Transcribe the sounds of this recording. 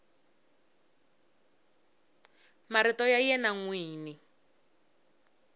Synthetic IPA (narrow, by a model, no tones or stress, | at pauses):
maɾitɔjajɛnaŋwiːni